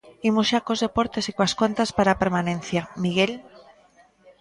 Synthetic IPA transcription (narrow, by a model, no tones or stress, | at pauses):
imuʃakozðe̞poɾt̪esikwaskwant̪aspaɾapeɾmanẽn̟θjamiɣel